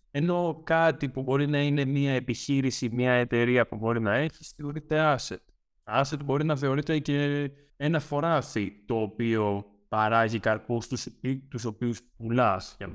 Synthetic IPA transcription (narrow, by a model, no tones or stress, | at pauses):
e̞no̞kɐt̪ipubo̞ɾinɐine̞miɐe̞piçiɾisimɲɐe̞t̪e̞ɾiɐpubo̞ɾinɐe̞çi̥sθeo̞ɾit̪e̞ɐset̪ | ɐse̞t̪bo̞ɾinɐθe̞o̞ɾit̪e̞ce | enɐfo̞ɾɐsit̪o̞ːpio̞ | pɐɾɐzikɐɾkust̪usit̪uso̞piuspulɐsʝɐ̰n